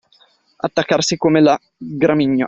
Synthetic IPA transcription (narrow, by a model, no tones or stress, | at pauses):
a̰t̪ːakːarsikomela | ɡɾamiɲːo